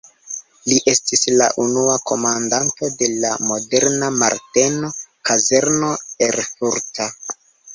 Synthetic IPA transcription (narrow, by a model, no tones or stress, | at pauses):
liʔe̞stisla̰ʔunuako̞mandanto̞de̞lamo̞de̞ɾnamaɾte̞no̞kaze̞ɾno̞e̞ɾfuɾta